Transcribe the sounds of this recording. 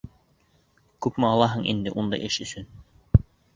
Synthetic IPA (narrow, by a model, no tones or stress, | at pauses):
kʉpmɘɑlˠɑɦɤɴʔḭnd̪ɘ̰ʔund̪ɑ̰jʔɘʃɵ̆sɵn